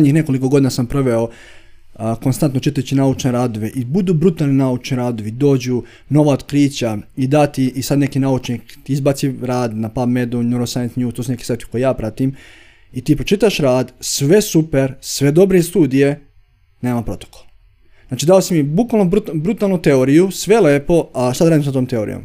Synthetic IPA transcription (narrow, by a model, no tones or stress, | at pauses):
ɲiːxne̞ko̞liko̞ɡod̪inasampɾoʋeo̞ | ko̞nst̪ant̪not͡ʃit̪ajt͡ɕinaut͡ʃneɾaːd̪oʋeʔibud̪uːbɾut̪alninaut͡ʃniɾaːd̪oʋid̪o̞ːd͡ʑu | no̞ʋaod̪kɾiːt͡ɕaid̪at̪iʔisad̪ne̞kinaut͡ʃnikt̪iizbat̪siɾaːd̪napabmed̪unuɾosajent̪nɲuːst̪osune̞ki̥set̪i̥kojejaːpɾat̪im | it̪iːpɾot͡ʃit̪aʃɾaːd̪sʋe̞supeɾsʋe̞d̪o̞bɾeist̪uːd̪ije | ne̞ːmapɾo̞t̪o̥ko̥l | naːt͡ʃid̪aːosimjebukʋalnobɾubɾut̪aːlˠnut̪e̞oɾijusʋe̞leːpo̞aʃt̪ad̪ɾaːd̪imsat̪oːmt̪e̞oɾḭjo̰m